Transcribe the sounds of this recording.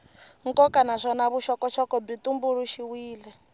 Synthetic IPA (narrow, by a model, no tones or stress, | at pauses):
ŋ̩kɔkanaʂɔnaβuʃɔkɔt͡ʃʰɔkɔbitumbuɾuʃiwiːlɛ